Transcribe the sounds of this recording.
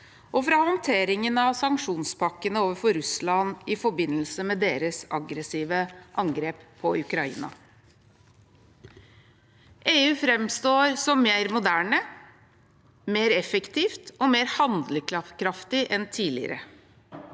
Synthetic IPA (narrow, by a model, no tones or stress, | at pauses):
ʔɔfɾɑhɔnt̪ʰeːɾɪŋənɑʋsɑŋkʂuːnspʰɑkːənəoːʋəɾfɔɾʉslɑnɪfɔɾbɪnːəlsəmɛd̪eːɾəsɑɡɾəsiːʋəʔɑŋɡɾeːppʰɔʉkɾɑḭːnɑ̰ | ʔeːʉːfɾɛmst̪oːɾsɔmːeːɾmʊd̪æːɳə | meːɾɛfəkt̪ʰiːft̪ɔmeːɾhɑnd̪ləkɾɑkɾɑft̪ɪʔɛnt̪ʰiːlɪ̰ə̰ɾə̰